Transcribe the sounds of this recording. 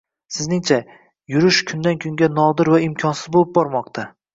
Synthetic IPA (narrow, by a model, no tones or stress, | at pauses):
sɪznɪŋt͡ʃʰa | jʊɾɪʃkʲʰʊnd̪ankʲʰʊŋɡʲanɒd̪ɪɾvaɪmkʲʰɒnsɪzbolˠɪp̚bɒɾmɒq̚t̪ʰa